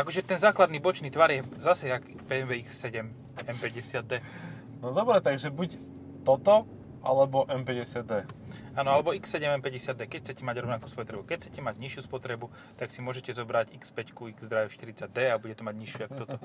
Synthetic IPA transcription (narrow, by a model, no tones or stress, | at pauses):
akɔʒɛt̪ɛnzaːklad̪niːbɔt͡ʃniːt̪ʋaɾjɛzasɛjak | bɛɛmʋɛiksːɛɟɛm | ɛmpɛɟɛsɪad̪̚d̪ɛː | nɔd̪ɔbɾɛt̪aɡʒɛbuc | t̪ɔt̪ɔ | ʔa̰lɛbɔʔɛnpɛɟɛsɪad̪ɛː | aːnɔalɛbɔiksːɛɟɛmɛmpɛɟɛsɪad̪ɛːkɛcxt͡sɛcɛmaɟɾɔʊnaku̥spɔt̪ɾɛbukɛcʰt͡sɛcɛmaɟɲiʃɪuspɔt̪ɾɛbu | t̪aksimʊɔʒɛcɛzɔbɾaɟikspɛckuiɡzd̪ɾajɛʃt̪iɾit͡saɟ̚d̪ɛːabuɟɛt̪ɔmaɟɲiʃjuakt̪ɔt̪ɔ